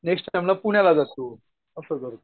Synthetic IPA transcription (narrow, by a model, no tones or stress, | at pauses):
neksʈajmlapuɳjalad͡zasu | əsəɾɡəɾu